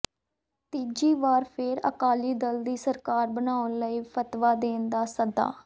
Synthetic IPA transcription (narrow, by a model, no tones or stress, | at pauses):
t̪iːd͡ʒiːʋaːɾpʰɪɾə̰kaːliːd̪əld̪iːsəɾkaːɾbənaːʊnləiːpʰət̪ʋaːd̪eːnd̪aːsəd̪a̰ː